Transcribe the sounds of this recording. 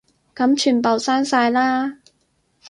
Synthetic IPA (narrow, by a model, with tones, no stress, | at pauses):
kɐ˨˥mt͡ʃʰyː˨˩npo˨˩wsaː˥nsaː˧jlaː˥